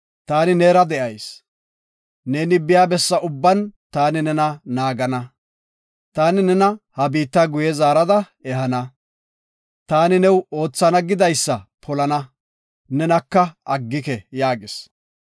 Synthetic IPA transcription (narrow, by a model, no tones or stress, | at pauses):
t̪aːnɪneːɾɐd̪ɛʔɐjs | neːnɪbɪjaːbɛsːɐʊbːɐnt̪aːnɪnɛnɐnaːɡɐnɐ | t̪aːnɪnɛnɐhɐbiːt̪ːɐɡʊjɛzaːɾɐd̪ɐ | ɛɦɐnɐ | t̪aːnɪnɛwo̞ːt͡sːɐnɐɡɪd̪ɐjsːɐpʰɔlɐnɐ | nɛnɐkːɐɐɡːɪkɛjaːɡɪs